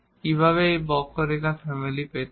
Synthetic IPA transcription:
kibʱaβeebɔkːoɾekafʰɛmilipet̪

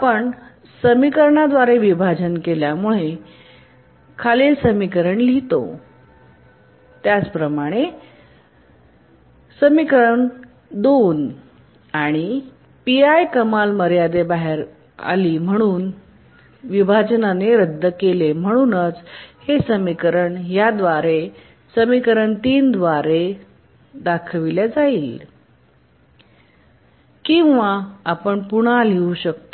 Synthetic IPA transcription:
apəɳ | səmikəɾɳad̪ʋaɾeʋibʱad͡ʑənkeljamuɭe | kʰaliːlsəmikəɾəɳlit̪o̰ | t̪jat͡spɾəmaɽ̃e | səmikəɾəɳ | d̪on | aɽ̃i | piajkəmalməɾjad̪ebaɦeɾ | a̰liːm̤əɽ̃uːn | ʋibʱad͡ʑnaneɾəd̪ʱːəkelem̤əɽ̃uːnət͡shesəmikəɾəɳjad̪ʋaɾe | səmikəɾəɳt̪iːnd̪ʋaɾe | d̪akʰʋiljad͡zaiːl | kĩʋaapəɳpuɽ̃aleuɕəkt̪o

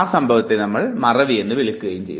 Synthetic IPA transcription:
aːsɐmbʱɐʋɐt̪ːenɐmːɐɭmɐrɐʋienːɨʋiɭɪkːɯɣɐjumt͡ɕḛj

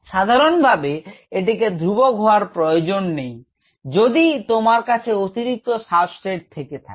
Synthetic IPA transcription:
ʃad̪ʱaɾonbʱabeeʈ̬iked̪ʱɾuboɡʱoaɾpɾojod͡ʑonːej | d͡ʑod̪it̪omaɾkat͡ɕʰeot̪iɾik̚t̪oʃabsʈɾeʈ̚t̪ʰeket̪ʰa̰ke

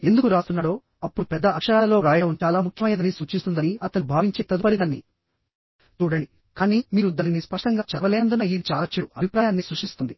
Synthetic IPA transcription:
e̞nd̪ukuɾaːst̪unːaːɽo̞ː | ɐpːuɽupɛd̪ːɐɐkʂɐɾaːlɐlo̞ːɾaːjɐɽɐʋunt͡ʃaːlaːmukʰjɐmɐjɐd̪ɐnisuːt͡ʃist̪und̪ɐniɐt̪ɐnubʱaːʋiɲt͡ʃeːt̪ːɐd̪upɐɾid̪ɐnːḭ | t͡ʃuːɽɐɳɖi | kaːniːmiːɾud̪ɐninispɐʂʈɐŋɡaːt͡ʃɐɾʋɐleːɐnd̪unɐiːd̪it͡ʃaːlɐt͡ʃːiɽuɐbʱipɾaːjaːnːisɾuʂʈist̪und̪i

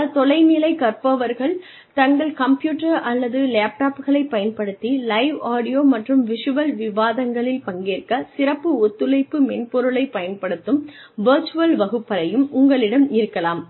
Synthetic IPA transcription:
t̪ɔlɐɪnɪlɐɪkɐrpɐʋɐɾɣɐɭ | t̪ɐŋɡɐɭkɐmpjuːʈːɐɾɐlːɐðɯleːp̚ʈaːpɣɐɭɐɪpːɐjɐnpɐɽɯt̪ːilɐɪʋaːɽɪjoːmɐʈrɯmʋɪʂɯʋɐlʋɪʋaːðɐŋɡɐɭɪlpɐŋɡeːrkɐsɪɾɐpːɯɔt̪ːɯlɐɪpːɯmɛnpɔɾɯɭɐɪpːɐjɐnpɐɽɯt̪ːɯm | ʋɐɾt͡ʃɯʋɐlʋɐɣɯpːɐlɐjɯmʔʊŋɡɐɭɪɽɐmɪɾɯkːɐlaːm

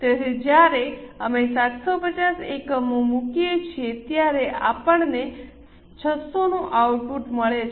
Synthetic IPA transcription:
t̪eɾed͡ʒjaɾeəmesat̪sopət͡ʃasekəmomukijet͡ʃʰijet̪jaɾeʔapəɳne | t͡ʃʰəsonũʔawʈ̚puʈməɭet͡ʃʰ

